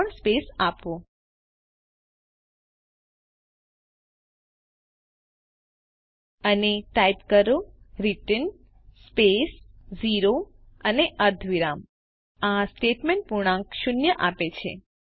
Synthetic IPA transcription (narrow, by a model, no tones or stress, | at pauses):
əɳspesapõ | əneʈaipkəɾo | ɾiʈən | spesziɾo | əneʔəɾd̪ʱʰʋiɾam | asʈeʈmẽɳʈ̚puɽ̃ãkʃʊnjəʔapet͡ʃʰḛ